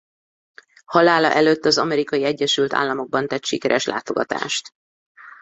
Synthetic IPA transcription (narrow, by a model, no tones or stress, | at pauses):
hɒlaːlɒʔɛløt̪ːɒzɒmɛɾikɒjiɛɟːɛʃylt̪a̰ːlːɒmo̞ɡ̚bɒnt̪ɛt̪ʃikɛɾʔɛʃlʔa̰ːt̪o̞ɡɒt̪a̰ːʃt̪